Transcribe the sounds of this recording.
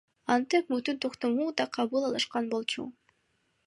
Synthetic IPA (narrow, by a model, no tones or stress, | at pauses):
ɑnt̪epmyt̪ynt̪ʰoqt̪omuːd̪ɑqʰɑβɯlˠɑlˠɯʃqɑnbo̞lˠt͡ʃṵ